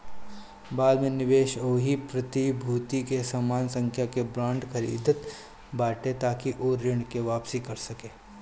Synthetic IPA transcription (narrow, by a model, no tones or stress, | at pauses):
baːd̪mẽnɪʋeːʃoːɦipɾɐt̪ibʱuːt̪ikesaːmaːnsə̃ŋkʰjakebɾãːɳɖkɐɾḭːd̪ʱət̪ | baːʈẽt̪aːkiʔoːɾɪɳ̃keʋaːpsikɐɾsɐkeː